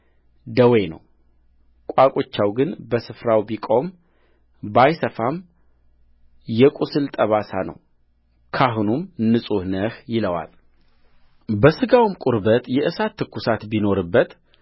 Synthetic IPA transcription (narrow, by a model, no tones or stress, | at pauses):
d̪əwejnə̰w | kʷʼakʼot͡ʃːawɡɨnbəsɨfɾawbikʼo̞m | bajsəfam | jɛkʷʼusɨlt̪ʼəβasa̰nə̰w | kʰaɦunumnɨsʼuhnəhjɪləwa̰l | bəsɨɡawmkʷʼʊɾbət̪jɛʔɨsat̪ʰːɨkːusat̪bino̞ɾɨbːət̪